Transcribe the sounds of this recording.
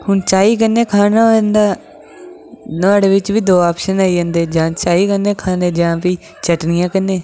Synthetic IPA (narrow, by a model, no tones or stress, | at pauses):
hʊnt͡ʃaːiːkənːeːkʰaːnãːnd̪aː | nʊaːɽeːʋɪt͡ʃʋiːd̪oːaːpʃənaːiːə̃nd̪eːd͡ʒãːt͡ʃaːiːkənẽːkʰaːneːd͡ʒãːpiː | t͡ʃəʈnɪjãːkənːeː